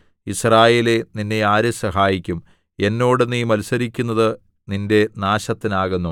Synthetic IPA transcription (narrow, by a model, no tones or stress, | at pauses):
israːje̞ːle̞ninːeaːɾesɐɦaːjikʲːum | e̞nːo̞ːɽɨnːiːmɐlusɐɾikʲːunːɐðɨ | ninde̞naːɕɐt̪ːinaːɣunːu